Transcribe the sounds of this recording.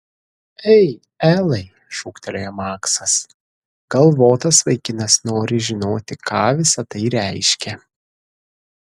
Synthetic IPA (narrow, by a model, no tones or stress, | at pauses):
ɛɪ | æːlˠɐɪ | ʃuːkt̪ʲɛlʲoːjɛmɑːksɐs | ɡ̥ɐlˠʋoːt̪ɐsʋɐɪkʲɪnɐsnoːɾʲɪʒʲɪnoːt̪ʲɪkʰɑːʋʲɪsɐt̪ɐɪɾʲæɪʃʲkʲɛ